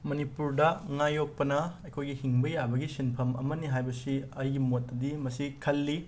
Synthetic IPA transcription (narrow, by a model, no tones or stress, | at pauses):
mɐnipuɾdɐŋajok̚pɐnɐɐjkʰojɡihiŋbɐjabɐɡisinpʰɐmɐ̰mɐniɦajbɐsiɐjɡimotːɐdimɐsikʰɐlːi